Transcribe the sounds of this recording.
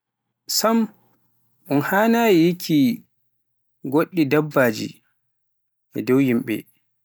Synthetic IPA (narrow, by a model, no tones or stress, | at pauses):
sam | ʔunhaːnaːjijikʰi | ɡoɗːidabːaːd͡ʒḭ | ʔɛ̰dɔwjimɓɛ̰